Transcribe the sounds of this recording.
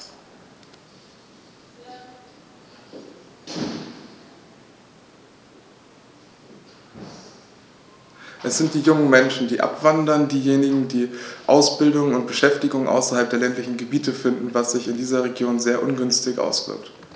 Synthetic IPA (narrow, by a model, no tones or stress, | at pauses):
ʔɛsz̥ɪnt̚d̥iːjʊŋən̩mɛnʃn̩diːʔa̰pv̥andɐndiːjeːnɪɡŋ̩diːʔaʊsb̥ɪldʊŋənʊnt̚b̥əʃɛftɪɡʊŋənʔa̰ʊsɐhalp̚d̥eːɐlɛntlɪçn̩ɡəbiːtəfɪndn̩vasz̥ɪçɪndiːzɐʁ̞eɡjoːnzeːɐʔʊnɡʏnstɪçʔa̰ʊsv̥ɪ̰ɐkt